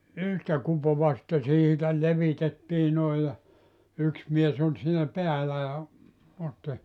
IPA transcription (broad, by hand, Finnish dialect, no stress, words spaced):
yhtæ kupoʋɑ sĭtːe siːtæ leʋitetːiː noij jɑ yks mies olʲ siːnæ peælæ jɑ otːi